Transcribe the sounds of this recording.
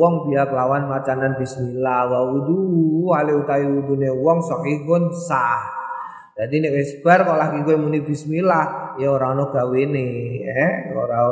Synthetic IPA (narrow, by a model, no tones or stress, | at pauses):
wɔŋbiakəlawanmat͡ʃananbismilahwauduwaleut̪aiudunewɔŋsɔkikʊnsah | d͡ʒadinɛkesbarkɔʔlaɡiɡuɛmunibismilahjaoɾaŋnɔɡ̥aweneɛoɾa